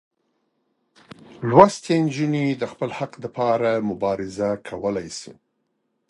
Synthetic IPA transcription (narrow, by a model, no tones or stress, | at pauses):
lwast̪end͡ʒunid̪əxpəlhaqd̪apʰɑɾamʊbɑɾɪzakʰawəlajsḭ